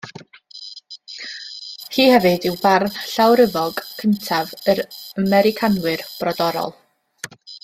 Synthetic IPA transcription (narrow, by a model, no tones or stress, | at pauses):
hiːhɛvɨdɪwbarɬawɾəvɔɡkʰəntʰavəɾəmɛɾɪkʰanwɨrb̥rɔdɔɾɔ̰lˠ